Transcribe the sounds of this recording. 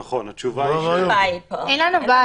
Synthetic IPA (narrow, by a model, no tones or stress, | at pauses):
aχonat͡ʃuva | ɛnlanuba